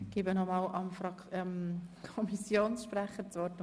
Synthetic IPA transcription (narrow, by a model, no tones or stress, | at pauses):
ɡ̥ibənɔmɑːlʔɑmfɾɑɛmkʰɔmisjoːnsʃpɾæχət͡sʋɔɾt